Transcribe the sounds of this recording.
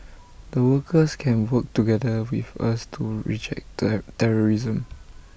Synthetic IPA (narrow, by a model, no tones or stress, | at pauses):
dəwəkʰəskʰɛ̃nwək̚tuɡɛdəwifa̰stʰuɹḭd͡ʒɛ̰k̚tɛɹɔɹizə̃m